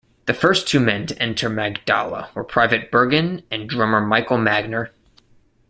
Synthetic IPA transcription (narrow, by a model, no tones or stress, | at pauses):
ðɨfɜ˞stʰʉmɛ̃ntʰɨʔɛ̃ntʰə˞mæɡdɑ̰lˠə̰wə˞pʰɹ̥aɪvɨt̚b̥ɜ˞ɡɨ̃nɨ̃ndɹʌ̃mə˞maɪkl̩ˠmæɡ̚nə˞